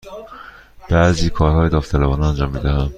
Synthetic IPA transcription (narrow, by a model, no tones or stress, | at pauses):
b̥æʔziːkʰɒːɾhɒːjed̪ɒːft̪ʰælæbɒːnɛænd͡ʒɒːmːiːd̪æhænd̪̥